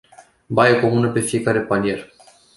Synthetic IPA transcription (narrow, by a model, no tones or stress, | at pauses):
bajəko̞munəpe̞fije̞kaɾe̞panie̞r